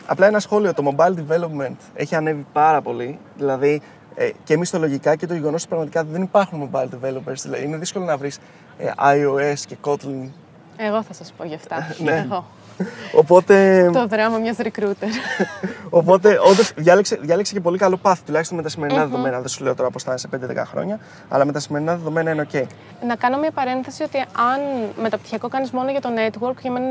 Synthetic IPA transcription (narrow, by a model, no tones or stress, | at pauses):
ɐ̰plɐenɐsxo̞lio̞t̪o̞mo̞bɐjld̪ive̞lo̞pme̞nt̪e̞çiɐne̞vipɐɾɐpo̞li | ðilɐði | ece̞mist̪o̞lo̞ʝikɐce̞t̪oʝeo̞nospɾɐɣmɐt̪ikɐt̪iðe̞nipɐɾxunmo̞bɐjld̪ive̞lo̞peɾsðilɐðiine̞ðisko̞lo̞nɐvɾis | ʔɐioe̞sce̞ko̞t̪lin | eɣoθɐsɐspoʝɐft̪ɐneo | opo̞t̪e̞t̪oðɾɐmɐmɲɐzɾikɾut̪eɾ | o̞po̞t̪e̞ʔod̪osðʝɐlekseðʝɐleksece̞p̬o̞likɐlopɐθi̥t̪ulɐçist̪omet̪ɐsime̞ɾinɐðeðo̞me̞nɐðesule̞ot̪o̞ɾɐpost̪ɐnesepend̪eðekɐ̰xɾo̞̰ɲɐ | ɐ̰lɐme̞t̪ɐsime̞ɾinɐðe̞ðo̞me̞nɐineoce̞i | nɐkɐno̞mɲɐpɐɾe̞nθesio̞t̪iɐnme̞t̪ɐpt̪içiɐko̞kɐnizmo̞noʝɐt̪o̞net̪woɾkcɐmen